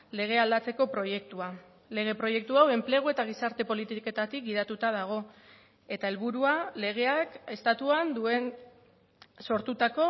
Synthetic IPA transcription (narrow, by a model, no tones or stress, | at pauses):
le̞ɣ̞e̞ald̪at͡se̞ko̞pɾo̞je̞kt̪ua | le̞ɣ̞e̞pɾo̞je̞k̚t̪uawe̞mple̞ɣ̞ue̞t̪aɣ̞isaɾt̪e̞po̞lit̪ike̞t̪at̪ik̚ɡið̞at̪ut̪að̞aɣ̞o̞ | e̞t̪ae̞lβuɾuale̞ɣ̞e̞ake̞st̪at̪uand̪ue̞n | so̞ɾt̪ut̪ako̞